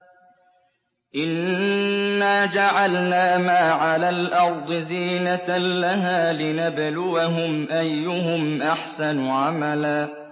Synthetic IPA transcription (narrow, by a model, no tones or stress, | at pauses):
ʔɪnː | aːd͡ʒaʕalnaːmaːʕalaːlʔɑɾˤd̪ˤɨziːnalaɦaːlɪnablʊwaɦʊmʔajːʊɦʊmʔaħsanʕamalaː